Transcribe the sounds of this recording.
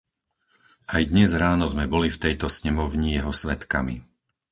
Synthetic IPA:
ajd̪ɲɛzɾaːnɔzmɛbɔlift̪ɛjt̪ɔsɲɛmɔʊɲijɛɦɔsʋɛt̪ka̰mḭ

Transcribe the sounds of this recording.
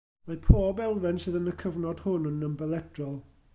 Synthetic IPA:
mapʰoːbɛlˠvɛnsɨðənəkʰəvnɔd̥hʊnənəmbɛlˠɛd̥rɔlˠ

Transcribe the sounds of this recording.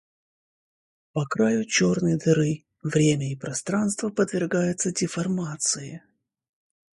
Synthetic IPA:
pɐkɾajʊt͡ɕornɨjd̪ɨɾɨ | vɾʲemʲəipɾɐst̪ɾanst̪vəpəd̪vʲɪrɡajʊt̪sədʲɪfɐrmat̪sɨɪ

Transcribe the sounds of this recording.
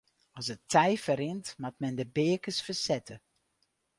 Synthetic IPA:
ɔsətʰɛjfəɾɪntmatmɛndəbeːkəsfəsɛtʰə

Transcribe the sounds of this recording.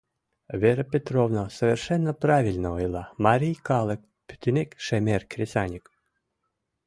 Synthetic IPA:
vʲeɾəpʲet̪rovnosəvʲerʃɛnːəpravʲilʲnəojlˠɑmaɾʲijkɑlˠek̚ | pʲy̥t̪ʲynʲekʃemʲerkɾʲesʲanʲik

